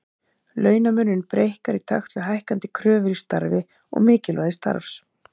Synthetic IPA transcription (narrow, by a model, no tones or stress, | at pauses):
lœːɥnamʏnːʏnpɾejhkaɾit̪ʰa̰xt̪lʏɦajhkant̪ɪkʰɾœːvʏɾist̪a̰ɾvɪ | ɔ̰ɣmɪːcɪlvaːðɪst̪a̰ɾfs